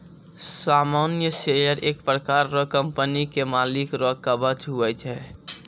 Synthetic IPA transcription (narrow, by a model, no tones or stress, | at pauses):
samanjəʃejəɾeːk̚pɾəkaɾːɔkəmpənikemalikɾɔkabət͡ʃɦuɛt͡ʃʰɛ